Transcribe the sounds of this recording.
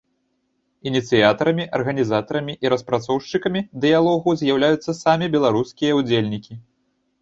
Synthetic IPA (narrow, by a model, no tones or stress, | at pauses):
inʲit̪sɨjat̪ɐɾɐmʲiʔɐrɣɐnʲizat̪ɐɾɐmʲiʔiɾɐspɾat̪sɔwʂt͡ʂɨkɐmʲid̪ɨjalˠɔɣuzʲjawlʲajut̪sːɐsamʲibʲɛlˠaɾuskʲijɐud͡zʲelʲnʲikʲi